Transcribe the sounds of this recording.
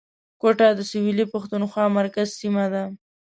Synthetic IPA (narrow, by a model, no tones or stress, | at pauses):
kwoʈɑd̪əsɪwilipaxt̪unxwɑmaɾkazsimad̪a